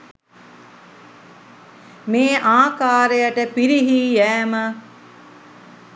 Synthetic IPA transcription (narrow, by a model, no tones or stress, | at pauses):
meːʔaːkaːɾejəʈəpiɾiɦiːjæːmə